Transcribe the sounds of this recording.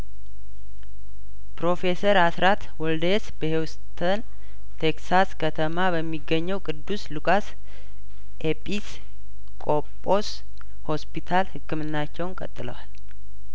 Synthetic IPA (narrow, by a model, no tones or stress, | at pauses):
pɾo̞fe̞səɾasɾat̪wɔld̪esbəhewst̪ʰən | t̪ʰeksaskʰət̪ʰəmabəmːiɡːəɲːɛwkʼɨd̪ːuslukʼas | ʔepʼis | kʼo̞pʼːo̞s | ho̞spit̪ʰalhɨkːɨmɨnːat͡ʃːɛwnkʼə̰t̪ʼːɨlə̰wal